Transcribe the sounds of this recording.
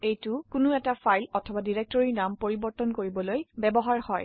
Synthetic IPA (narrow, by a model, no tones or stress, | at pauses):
ejtʊkʊnʊɛtafʰajlɔtʰɔbadiɹek̚tɔɹiɹnampoɹibɔɹtɔnkoɹibɔlojbɛbɔɦaɹhɔj